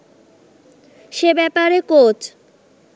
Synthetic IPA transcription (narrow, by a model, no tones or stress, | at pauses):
ʃebɛpaɾekot͡ɕ